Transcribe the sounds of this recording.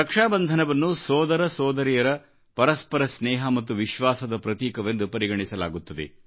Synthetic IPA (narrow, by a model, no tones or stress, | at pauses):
ɾɐkʂaːbɐnd̪ʱɐnɐʋɐnːusɔːd̪ɐɾɐsɔːd̪ɐɾijɐɾɐ | pɐɾɐspɐɾɐsnɛːɦɐmɐt̪ːuʋiʃʋaːsɐd̪ɐpɾɐt̪iːkɐʋe̞nd̪upɐɾiɡɐɳisɐla̰ːɡut̪ːɐd̪ḛ